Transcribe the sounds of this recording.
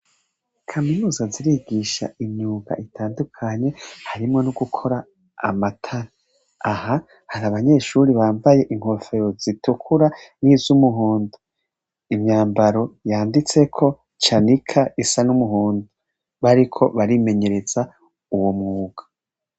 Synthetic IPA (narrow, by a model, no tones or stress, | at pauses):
kʰaminuːzaziɾiɡiʃa̰ʔiɲuːɡa̰ʔitʰaːndukʰaɲe̞haɾimŋo̞nuɡukʰo̞ɾa̰ː | matʰaɾa | aha | haɾaβaɲe̞ːʃuɾiβaːɱvaje̞ʔiŋho̞fe̞ɾo̞zitukʰuɾaniːzumuɦuːndu | imɲaːmbaɾo̞jaːndit͡se̞kʰo̞ | t͡ʃanikʰaʔisanumuɦuːndu | βaɾikʰo̞βaɾime̞ɲe̞ɾe̞z̥a | uwomŋuːɡ̥ḁ